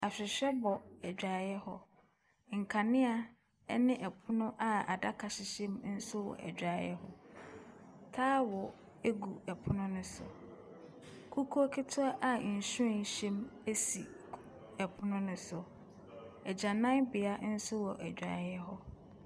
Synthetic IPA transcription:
a˨ɕᶣɪ˨ɕᶣɛ˦bɔ˨ɛ˨d͡ʑᶣɾa˨jɛ˦hɔ˦ | ŋ̩˨kʰa˨nɪ̃˦a˦ | ɛ˦nɪ̃˦ʔɛ˨pʰʊ˦nʊ̃˦ʔa˨a̰˨da˦kʰa˨ɕɪ˨ɕɛ̃˦mn̩˦sʊ˦wɔ̰˨ʔɛ̰˨d͡ʑᶣa˨˦jɛ̰˦hɔ˦ | tʰaː˦wɔ˨ | e˦ɡu˨ɛ˨pʰʊ˦nʊ̃˦nʊ̃˦sʊ̰˨ | kʰu˦kʰu˦ɔ˦kʰɪ˦tʰʊ˦a˦ʔa˦˨n̩˨ɕʊ˦ɛ˨n˨ɕɛ̃˦me˦si˨ | ɛ˨pʰʊ˦nʊ̃˦nʊ̃˦sʊ˨ | ɛ˨d͡ʑã˨nã˦ŋbɪ˨a˦n̩˦sʊ˦wɔ˨ʔæ˨d͡ʑᶣɾa̰˨jɛ˦ɦɔ˦

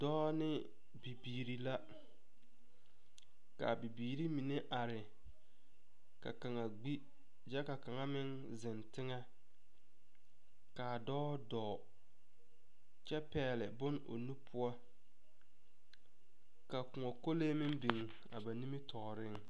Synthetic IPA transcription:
dɔː˦nɪ˦ | bi˨biː˨ɾi˨la˦ | ka̰˨bi˨biː˨ɾi˦mi˨ne˦ʔa˨ɾɪ˨ | ka̰˨ka˨ŋa˨ɡ͡bi˦ | d͡ʒɛ˦ka˨ka˨ŋa˦mɪ˦ŋ | zɪ˨ntɪ˦ŋa˦ | kaː˨dɔː˦dɔː˨ | t͡ʃɛ˦pɛː˨lɪ˨bʊ˦no̰˨nu˦pʰʊ˦ɔ˦ | ka˨kʊ˨ŋɔ˨ko˦leː˦mɪ˦ŋbi˨ŋ˨ | a̰˨ba˨ni˦mi˦tʰɔː˨ɾɪ˦ŋ

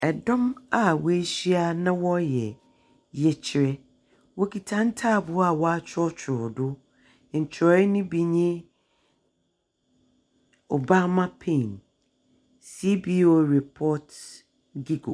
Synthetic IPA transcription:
ɛ˨dɔ̃˦ma˨wɔ˦e˦ɕi˦a˦nã˦wɔ˦jɛ˨ | jɛ˨t͡ɕʰɪ˨ɾɛ˦ | wɔ˦kʰi˨tʰã˦n˦tʰaː˦˨bʊ˨˦a˨wɔ˦a˦t͡ɕʰɔ˦t͡ɕʰʊ˨ɾɔ˨dʊ˦˨ | ɲ̩˨t͡ɕʰɾɔ˨˦ɛ˦nʊ̃˦bi˨ɲɛ̃˦ | o˨ba˦mã˦pʰẽ˦˨n | si˦bi˦o˦˨ɾɛ˨pʰɔː˦t | ɡi˦ɡo̰˨

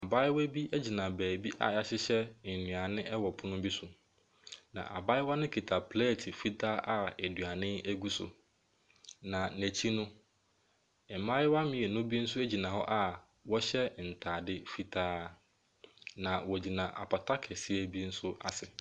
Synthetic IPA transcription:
a˨ba˦ɪ˦wæ˦bi˦æ˦d͡ʑi˨nã˨bæː˨bi˦ʔa̰˦˨ja˦ɕɪ˦ɕɛ˦˨n̩˨nũ˨a˨nɪ̃˦ʔɛ˦wɔ˨pʰʊ˦nʊ̃˦bi˦sʊ˨ | nã̰˨ʔa̰˨ba˦ɪ˦wɔ˦nɪ̃˦kʰi˨tʰa˨pʰlɛ˦˨tʰi˨fi˦tʰaː˦ʔa˦e˨dɥa˨nɪ̃˦æ˦ɡu˦sʊ̰˨ | nã˨næ˨t͡ɕʰi˦nʊ̃˦ | ɛ˨mã˦ɪ˦wa˦mɪ̃˨ɛ˨nʊ̃˦bi˦n̩˦sʊ˦æ˦d͡ʑi˨nã˨ɦɔ˦ʔa˦ | wɔ˦ɕɛ˦˨n̩˨tʰaː˨dɪ˦fi˦tʰaː˦ | nã˨wɔ˨d͡ʑi˨nã˨ʔa̰˨pʰa˨tʰa˦kʰɛ˨si˦e˦bi˦n̩˦sʊ˦ʔa̰˨sɪ˨

